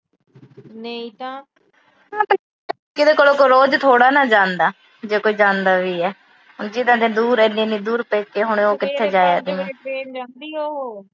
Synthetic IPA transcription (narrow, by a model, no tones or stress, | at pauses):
neĩt̪ãː | aːpə | kɪd̪eːkoːloːkoɾoːd͡ʒt̪ʰoːɽaːnaːd͡ʒãːnd̪aː | d͡ʒeːkoːiːd͡ʒãːnd̪aːʋiːɛː | ɦʊnd͡ʒid̪ãːd̪ẽːd̪uːɾɛːnẽːnĩːd̪uːɾpeːkeːɦʊɳoːkɪt̪ʰːeːd͡ʒaːjaːd̪iːẽːnd̪iːo